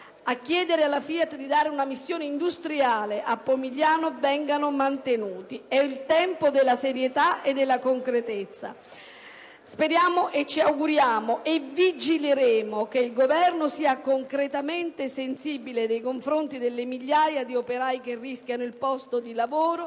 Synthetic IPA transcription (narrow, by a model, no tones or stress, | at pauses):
akːjɛːd̪eɾealːafiat̪d̪id̪aːɾeunamisːjoːneind̪ust̪ɾiaːleʔapːomiʎːaːnovɛŋɡanomant̪enuːt̪iɛilt̪ɛmpod̪elːaseɾjet̪aed̪ːelːakoŋkɾet̪et̪sːa̰ | speɾjaːmoʔet͡ʃːiawɡuɾjaːmoʔevid͡ʒileɾeːmokeilɡovɛrnosiːakoŋkɾet̪amɛnt̪esensibiled̪ejkoɱfɾont̪id̪elːemiʎːaːjad̪iopeɾaːjk̟erːiskʲjanʊilpɔst̪od̪ilavoːɾo